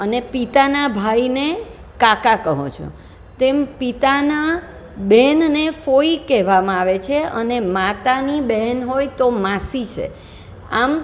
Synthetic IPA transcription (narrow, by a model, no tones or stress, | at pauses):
ənepit̪anabʱaine | kakakəɦõ̰t͡ʃʰo̰ | t̪empit̪ana | bɛnnefoikɛɦʋamãaʋet͡ʃʰeənemat̪anibɛɦɛnɦojt̪omasit͡ʃʰḛ | a̰m